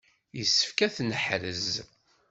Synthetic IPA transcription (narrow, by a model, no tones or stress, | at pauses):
jəsːə̥fkæθnəħɾəz